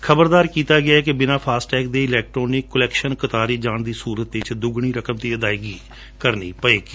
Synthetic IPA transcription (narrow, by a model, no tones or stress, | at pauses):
kʰəbəɾd̪aːɾkiːt̪aːɡɪaːɛːkɪbɪnãːpʰaːsʈɛːkd̪eːɪlɛːk̚ʈɾoːnɪkːəlɛːkʃənkət̪aːɾiːd͡ʒaːnd̪iːsuːɾət̪̚t͡ʃd̪ʊɡɽ̃iːɾəkəmt̪iːəd̪aːiɡiː | kəɾniːpəeːɡi